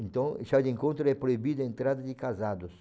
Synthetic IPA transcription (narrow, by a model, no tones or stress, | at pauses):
ẽnt̪ɐ̃weʃad̪ẽŋkõnt̪ɾʊɛpɾoibid̪ʊẽnt̪ɾad̪ɐd̪ɪkazad̪ʊs